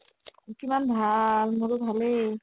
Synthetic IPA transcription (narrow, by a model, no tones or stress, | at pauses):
kimanbʱalmoɹobʱale